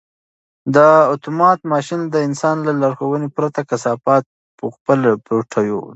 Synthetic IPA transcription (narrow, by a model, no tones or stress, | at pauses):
d̪əot̪umɑt̪mɑʃind̪əɪnsɑnlalaɾxowənepɾat̪akasɑfɑt̪̚ | pəxpəlpɾoʈʰajo̰